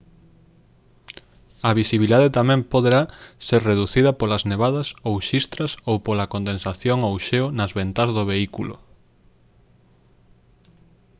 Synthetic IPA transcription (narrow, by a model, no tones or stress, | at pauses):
ɐβisiβiliðaðet̪amɛ̃mpoðeɾaseɾreðuθiðɐpolɐzneβaðɐsowʃist̪ɾɐsowpolɐkond̪ẽnsaθjoŋowʃeonɐzβent̪azðoβeikulʊ̰